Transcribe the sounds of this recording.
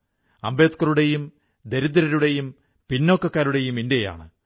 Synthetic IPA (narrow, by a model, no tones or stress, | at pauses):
ɐmbe̞ːt̪kːɐruɽe̞jum | d̪eɾud̪ɾɐɾuɽe̞jum | pinːo̞ːkːɐkːaːɾuɽe̞juminde̞ja̰ːɳɨ